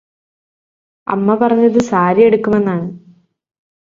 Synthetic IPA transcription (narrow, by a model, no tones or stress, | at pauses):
ɐ̰mːɐpɐrɐɲːɐðɨsaːɾije̞ɽukːume̞nːaːɳɨ